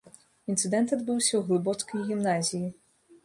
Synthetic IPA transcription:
int̪sɨd̪ɛnt̪ad̪bɨwsʲɐwɣlˠɨbɔt̪skɐjɣʲimnazʲiji

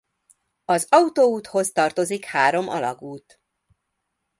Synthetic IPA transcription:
ɒzɒut̪oːuːt̪ho̞st̪ɒrt̪o̞zikhaːɾo̞mʔɒ̰lɒ̰ɡuːt̪

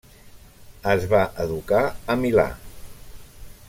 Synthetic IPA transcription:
əzβaʔəðukaəmila̰

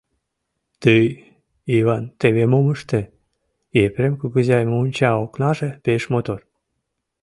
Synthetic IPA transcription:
t̪əj | iβɑnt̪eβemoməʃt̪e | epɾemkuɣəzɑjmounʲt͡ɕɑoknɑʒepeʃmot̪or

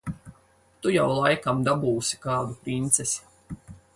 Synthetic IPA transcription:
t̪ujawlˠajkamd̪abuːsi̥kaːd̪upɾint̪sesi̥

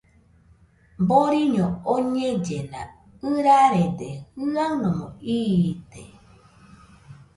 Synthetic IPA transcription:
boɾiɲooɲed͡ʒenã̰ | ɨɾaɾed̪ehɨanõmõ̰iːd̪e

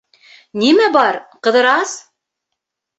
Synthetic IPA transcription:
nimæbɑɾqɤ̆ðɤ̆ɾɑs

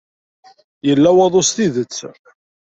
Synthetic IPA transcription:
jəlːæwɑðˤost̪iðət͡sː

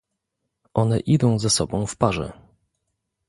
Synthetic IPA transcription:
ʔɔnɛʔid̪ɔ̃w̃zasɔbɔ̃w̃fpaʐɛ̰

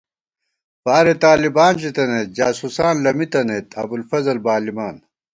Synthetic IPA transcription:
paːɾet̪aːlibaːnɕit̪ɐneːt̪̚d͡ʑaːsusaːnlɐmit̪ɐneːt̪ʰɐ̰bulfɐzɐlbaːlimaːn

